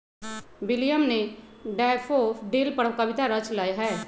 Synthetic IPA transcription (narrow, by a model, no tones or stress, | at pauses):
wɪlijəmneɖaːfʰopɖeːlpəɽkəbɪt̪aɾət͡ʃlaːeɦɛː